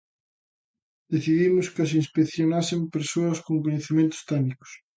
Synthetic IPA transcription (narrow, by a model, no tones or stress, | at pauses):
d̪eθiðimʊskɪɐs̬inspekθjonasɪmpeɾsoɐskoŋkoɲeθimẽnt̪ʊ̥st̪ɛnikʊ̥s